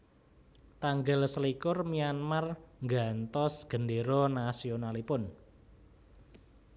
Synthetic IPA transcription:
t̪aŋɡəlsəlikʊrmianmarŋɡant̪ɔsɡ̥ə̤ndeɾɔnasionalipʊn

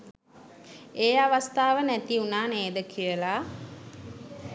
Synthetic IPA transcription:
eːaʋast̪aːʋənæt̪iunaːneːd̪əkʰijəla

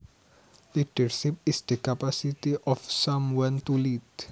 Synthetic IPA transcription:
liʈəɹʃipɪsd̪əkapasitiʔɔfsãmwãnt̪ulid

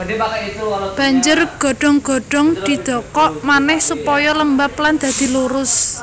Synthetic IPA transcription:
b̥a̤ɲd͡ʒʊrɡ̥ɔ̤ɖ̥ɔ̤ŋɡ̥ɔ̤ɖ̥ɔ̤ŋd̪̥i̤d̪̥ɔ̤kɔʔmanɪhsupɔjɔləmbapland̪̥ä̤d̪̥i̤luɾʊs

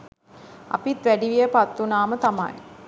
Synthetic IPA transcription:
ɐ̰pit̪ʋæɖiʋijəpɐt̪ːʋunaːmət̪ɐma̰j

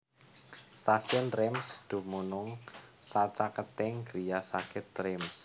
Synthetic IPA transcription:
st̪asiɔnrɛmsd̪̥ṳmunʊŋsat͡ʃakət̪ɪŋɡɾijasakɪt̪rɛms

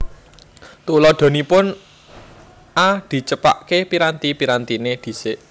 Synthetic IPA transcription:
t̪ulɔd̪̥o̤nipʊn | ʔad̪̥i̤t͡ʃəpa̰ʔkepiɾant̪ipiɾant̪ined̪̥i̤sɪʔ

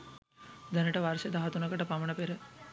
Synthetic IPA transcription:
d̪ɐnəʈɐʋaɾsed̪aɦɐt̪unɐkɐʈɐpamɐɳɐpeɾə

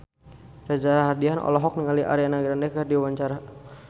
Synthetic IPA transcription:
rad͡ʒaɾaɦardianʔɔ̰lɔɦɔk̚niŋaliʔa̰ɾianaɡɾandɛkərdiwaɲt͡ʃaɾa

